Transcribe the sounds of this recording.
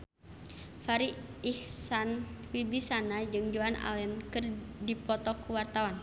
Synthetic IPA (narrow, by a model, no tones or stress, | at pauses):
faɾiihsanwibisanad͡ʒɨŋd͡ʒuana̰lɛnkɨrdipɔt̪ɔkuwart̪awan